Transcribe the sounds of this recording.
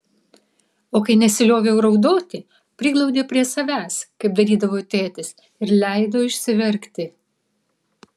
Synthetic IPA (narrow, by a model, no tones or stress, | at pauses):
oːkɐɪnʲɛsʲɪlʲoːʋʲeʊɾɐʊd̪oːt̪ʲi | pʲɾʲɪɡlˠɒʊd̪ʲeːpʲɾʲiɛsɐʋʲæːskɐɪp̚d̪ɐɾʲiːd̪ɐʋoːt̪ʲeːt̪ʲɪs | ɪɾlʲæˑɪd̪oːɪʃʲsʲɪʋʲɛɾʲkt̪ʲɪ